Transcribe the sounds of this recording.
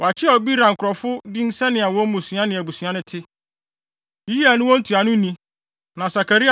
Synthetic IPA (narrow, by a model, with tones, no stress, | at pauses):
wɔ˨a˨t͡ɕʰɪ˦a˨ɔ˨bi˦ɾã˨ŋ̩˨kʰʊ˨ɾɔ˨fʊ˦dɪ˦n̩˦sɛ˦nɪ̃˨a˨wɔ̃˦m˦mũ˨sɥ̃ã˦nɪ̃˨æ˨bu˨sɥã˦nɪ̃˦tʰɪ˦ | ji˦ja˨nʊ̃˦wɔ̃˦n̩˦tʰu˨a˨nʊ̃˦nĩ˦ | nã˨sa˨kʰa˨ɾi˦a˨